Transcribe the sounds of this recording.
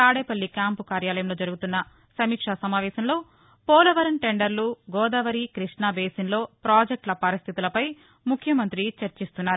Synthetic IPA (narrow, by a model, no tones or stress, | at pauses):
t̪aːɽeːpɐlːikjaːmpukaːɾjaːlɐjɐmlo̞ːd͡ʒɐɾuɡut̪unːɐ | sɐmiːkʂasɐmaːʋɛːsɐmlo̞ː | pɔːlɐʋɐɾɐnʈeɳɖɐɾluɡɔːd̪ɐːʋɐɾikɾiʂɳaːbeːsinlo̞ːpɾaːd͡ʒek̚ʈlɐpɐɾist̪ʰit̪ulɐpɐj | mukʰjɐmɐnt̪ɾit͡ʃɐɾt͡ʃist̪unːaːɾu